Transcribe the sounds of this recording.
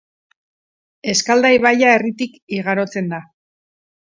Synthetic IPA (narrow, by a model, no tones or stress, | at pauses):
e̞skald̪ajβajae̞rit̪ikiɣaɾo̞t͡se̞nd̪a